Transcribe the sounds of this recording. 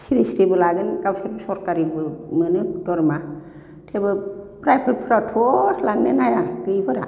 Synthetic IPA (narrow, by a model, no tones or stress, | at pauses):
siɾisɾibɯlaɡɯnkawseɾbɯsɔɾkaɾibɯmɯnɯdɔɾma | tʰebɯpɾajpʰɯɾpʰɯɾatʰɔlanːenajaɡɯjbʰɯɾa